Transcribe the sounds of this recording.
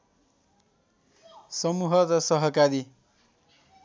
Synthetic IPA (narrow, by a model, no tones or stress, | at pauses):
sʌmuɦʌɾʌsʌɦʌkaɾi